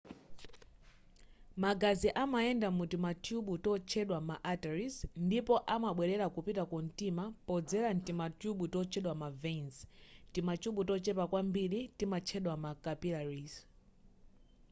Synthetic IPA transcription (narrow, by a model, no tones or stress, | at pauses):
maɡaziʔamaɛndamutimatʰjuɓutɔt͡ʃʰɛɗwamaʔataɾisndipɔʔamaɓwɛɾɛɾakupitakɔn̩timapɔd͡zɛɾan̩timatjuɓutɔt͡ʃʰɛɗwamavenztimat͡ʃuɓutɔt͡ʃɛpakwambiɾitimat͡ʃʰɛɗwamakapilaɾis